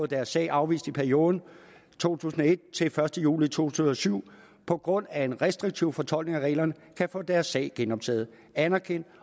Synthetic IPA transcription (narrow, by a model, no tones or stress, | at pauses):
ɔð̩ˠd̥æɐsːɛ̰ɪʔɑ̈ʊʋḭːsd̥ipʰæɐio̝ːð̞ˠn̩ | t͡sʰo̝̰ːt͡sʰṵːsn̩ɒ̽e̝d̥̚t͡sʰe̝lfɶɐsd̥əjṵːlit͡sʰo̝̰t͡sʰṵːsn̩ɒ̽syʊ̰ | pʰɒ̽ɡ̥ʁɔ̽n̰æe̝nʁɛsd̥ʁiɡ̥̚t͡sʰiʊfɒ̽t͡sʰɒ̽l̰ɡ̥ne̝ŋæʁɛ̰ɪlɐnəkʰæfɔ̰̽ːd̥æɐsːɛ̰ɪɡ̥enɒ̽b̥̚t͡sʰɛ̰ːð̞̩ˠ | ænæɐkʰen̰d̥